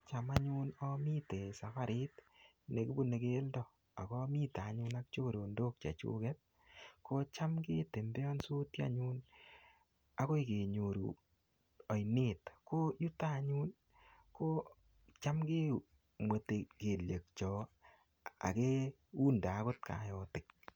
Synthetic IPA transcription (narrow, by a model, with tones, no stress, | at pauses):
t͡ʃa˨ma˦ɲu˦nɔ˦mi˦te˨sa˨fa˦ɾɪ˦t | ne˨ki˦bu˦ne˨ke˦ldɔ˨ | a˨kɔ˦mi˦ta˨ɲu˦na˦k̚t͡ʃo˦ko˨ɾo˨ndo˦k̚t͡ʃa̰˨t͡ʃṵ˦kɛt̚ | ko˦t͡ʃa˦mke˦te˨mbe˦ɔ˦nsu˦tja̰˨ɲu˦n | a˦ko˦ike˨ɲo˨ɾṵ˨ | ɔ˨jne˦tko˦ju˦ta˦ɲu˦n | ko˦ | t͡ʃa˦mke˦ | mwe˨te˨ke˨lje˨k̚t͡ʃɔ˨ | a̰˨ke˦ | u˦nda˨˦ko˦t̚ka̰˨jɔ˦tɪ˨k̚